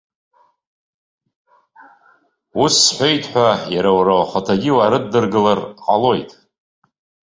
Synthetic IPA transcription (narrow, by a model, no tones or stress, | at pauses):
usːħʷe̞jtʰʼħʷᶣajaɾawɾawχatʰaɡʲiwaɾɨdːɨrɡɨlarqʼalo̞jtʼ